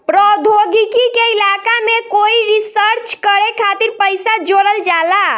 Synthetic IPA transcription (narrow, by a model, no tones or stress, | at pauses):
pɾɔd̪ʱoɡikikeilakamekoiɾisəɾt͡ʃkəɾekʰat̪iɾpəjsad͡ʒoɾəld͡ʒala